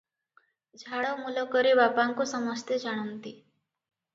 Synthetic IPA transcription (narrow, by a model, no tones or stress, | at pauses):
d͡ʒʱaɽomulɔkəɾibapaŋkusəməst̪ʰjed͡ʒaɽ̃unt̪i